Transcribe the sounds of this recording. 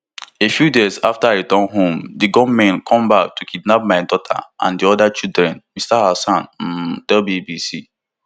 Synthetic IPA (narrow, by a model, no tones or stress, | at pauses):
efjudezaftaetɔ̃nɦõmdiɡɔmɛ̃nkʰɔ̃mbak̚tukidnap̚maɪdɔtʰa̰ʔã̰ndiɔdat͡ʃildɹɛ̃nmistahasãn̩tɛlbibisi